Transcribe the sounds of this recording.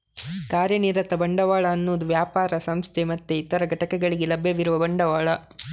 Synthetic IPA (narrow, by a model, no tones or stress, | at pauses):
kaːɾjɐniːɾɐt̪ɐbɐɳɖɐʋaːɭɐːnːuːd̪uʋjaːpaːɾɐsɐmst̪ʰemɐt̪ːeit̪ɐɾɐɡɐʈɐkɛɡɐɭiɡelɐbʱjɐʋiɾuʋɐbɐɳɖɐʋaːɭɐ